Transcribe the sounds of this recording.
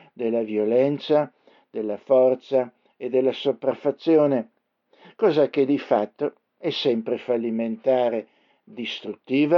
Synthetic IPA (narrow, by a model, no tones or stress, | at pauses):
d̪elːavjolɛnt̪sa | d̪̥elːafɔrt̪sa | ed̪ːelːasopɾafat̪sːjoːne | kɔːzaked̪ifat̪ːo | ɛsːɛmpɾefalːiment̪aːɾe | d̪ist̪ɾut̪ːiːva